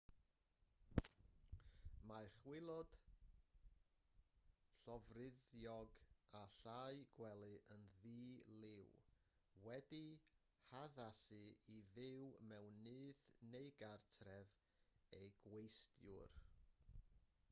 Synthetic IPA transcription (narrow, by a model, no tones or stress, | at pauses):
maχwɪlˠɔd̥ | ɬɔvrɪðjɔɡaɬaɨɡ̥wɛlˠɨʔənðiːlɪw | wɛdi | haðasɨiðɪwmɛwnɨːðnejɡartʰrɛv | ejɡ̥wejstjʊ̰r